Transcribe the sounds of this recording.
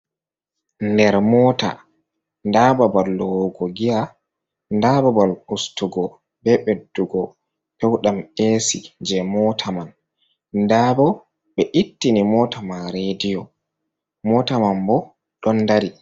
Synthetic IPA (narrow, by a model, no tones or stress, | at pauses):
ndɛɾmɔːta̰ | ndaːbabalːɔwɡɔɡija | ndababalustuɡɔ | bɛɓedːuɡɔ | pɛwɗamesid͡ʒɛmɔtʰaman | ndaːbɔ | ɓɛʔitːinimɔːtamaɾedijɔ | mɔtamambɔ | ɗɔnːdaɾi